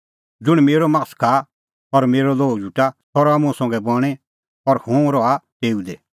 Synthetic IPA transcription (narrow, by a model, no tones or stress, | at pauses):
d͡zʊɽ̃meːɾɔmakskʰa | ɔɾmeːɾɔloːd͡ʒuʈat̪ʰɔɾamũasɔ̃ŋɡɛbɔɽ̃ɛ | ɔɾhõːɾɔaʈeːud̪ɛ